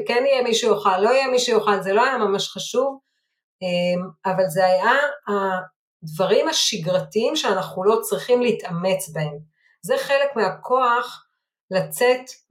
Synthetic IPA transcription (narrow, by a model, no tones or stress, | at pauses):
kenijemiʃujoχalːo̞ijemiʃujoχalzelo̞ajamamaʃχaʃuv | emavalzeajaa | d̪vaʁimaʃiɡʁatiimʃeanaχulo̞t͡sʁiχimliitame̞t͡sbae̞m | zeχe̞lekmeakʰo̞aχ | lat͡set